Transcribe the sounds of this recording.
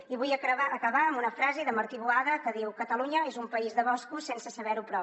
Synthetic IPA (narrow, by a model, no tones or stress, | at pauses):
iβujəəkəβaəmbunəfɾazeðəməɾt̪iβuaðəkəðiwkət̪əlˠuɲəezumpəizðəβɔskusensəsəβɛɾupɾɔ